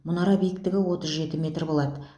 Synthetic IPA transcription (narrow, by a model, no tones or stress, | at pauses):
mʊnɑɾɑbijɪkt̪ɪɡʲɪwo̞t̪əzʒe̞t̪ɪmʲe̞t̪rbo̞lˠɑd̪ə